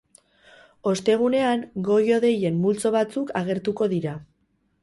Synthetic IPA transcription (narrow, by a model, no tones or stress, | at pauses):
o̞st̪e̞ɣ̞une̞aŋɡo̞jo̞ðe̞je̞mːult͡so̞βat͡sukaɣ̞e̞ɾt̪uko̞ðiɾa